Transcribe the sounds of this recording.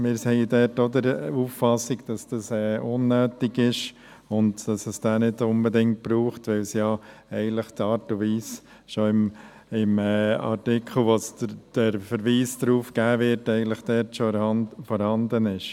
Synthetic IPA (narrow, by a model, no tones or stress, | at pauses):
mɪːɾsɛɪədɛɾtod̪əɾuːffɑsɪɡd̥ɑsd̥ɑsɛːʊnːœːtɪɡɪʃ | ʊndd̥ɑsəsd̥æːnɪdʊnbɛdɪŋt̚b̥ɾuːχtʋɛlsjɑɛɪɡən̩tləχtɑːɾtuʋiːs | ʃoɪm | ɪmɛːɑ̰ɾtɪkʰl̩ˠʋosd̥əɾfəɾʋiːsd̥ɾuːfɡ̥æːʋɪɾtɛɪɡən̩tləχd̥ɛːɾtʃɔɑfɔɾhɑnd̪ənɪʃ